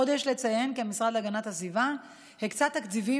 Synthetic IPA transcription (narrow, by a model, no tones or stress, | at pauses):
o̞d̪eʃle̞t͡saje̞nkeamisʁadlaɡanat̪hazviva | hekt͡sat̪ːakt͡sivi